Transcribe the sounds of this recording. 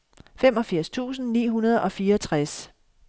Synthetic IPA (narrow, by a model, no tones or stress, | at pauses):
femɒ̽fiɐ̰st͡sʰṵːsn̩nḭːɦunɐð̞ˠɒ̽fiːɐt͡sʰʁas